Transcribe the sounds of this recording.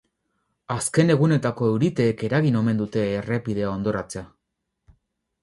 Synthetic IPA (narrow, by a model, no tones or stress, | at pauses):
aske̞ne̞ɣune̞t̪ako̞e̞wɾit̪e̞ːke̞ɾaɣino̞me̞nd̪ut̪e̞ːre̞pið̞e̞ao̞nd̪o̞ɾat͡se̞a